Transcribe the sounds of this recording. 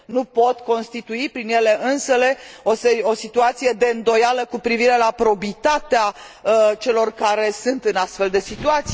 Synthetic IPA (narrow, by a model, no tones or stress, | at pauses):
nupo̞t̪ko̞nst̪it̪uipɾinje̞le̞ʔɨnsəle̞oseo̞sit̪uat̪sije̞d̪e̞ɨnd̪o̞jaləkupɾiviɾe̞lapɾo̞bit̪at̪ea | t͡ʃe̞lo̞rkaɾe̞sunt̪ɨnast̪fe̞ld̪e̞sit̪uat̪si